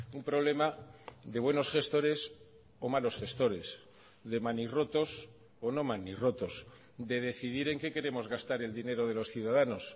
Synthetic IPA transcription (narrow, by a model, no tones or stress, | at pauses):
umpɾo̞βle̞maðe̞β̞we̞no̞sχe̞st̪o̞ɾe̞s | o̞malo̞sxe̞st̪o̞ɾe̞s | ðe̞maniro̞t̪o̞s | ono̞maniro̞t̪o̞s | d̪e̞ðe̞θiðiɾe̞ŋke̞ke̞ɾe̞mo̞zɣast̪aɾe̞ld̪ine̞ɾo̞ð̞e̞lo̞sθjuðaðano̞s